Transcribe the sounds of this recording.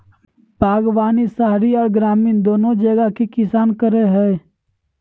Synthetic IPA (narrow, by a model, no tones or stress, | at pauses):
bʱaːɡʋaːnisaɦɾiɔːɾɡɾaːmiːnd̪oːnod͡ʒəɡakekɪsaːnkəɾeɦɛː